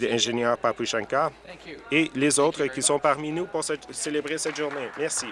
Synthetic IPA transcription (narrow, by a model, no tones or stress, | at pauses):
d̪əɛ̃ʒenjœːʁpapuʃɛ̃ŋka | elezoːt̪χəkisɔ̃paʁminupuʁsɛt̪selebʁesɛt̪ʒ̥uʁnemɛʁsi